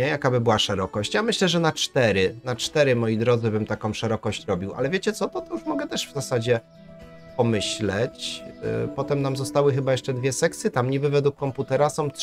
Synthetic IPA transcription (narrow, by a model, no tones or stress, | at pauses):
ɛjakabɘbɘwaʂɛɾɔkɔɕt͡ɕjamɘɕlɛʐɛnat͡ʂt̪ɛɾɘnat͡ʂt̪ɛɾɘmɔjid̪ɾɔd̪zɘbɘmt̪akɔ̃w̃ʂɛɾɔkɔɕt͡ɕɾɔbʲiwʔa̰lɛvʲjet͡ɕɛt̪sɔt̪ɔt̪ɔjuʂmɔɡɛt̪ɛʂvzasad͡ʑɛ | pɔmɘɕlɛt͡ɕ | pɔt̪ɛmnamzɔst̪awɘxɘbajɛʂt͡ʂɛd̪vʲjɛsɛktsɘt̪amɲibɘvɛd̪ukːɔmput̪ɛɾasɔ̃w̃t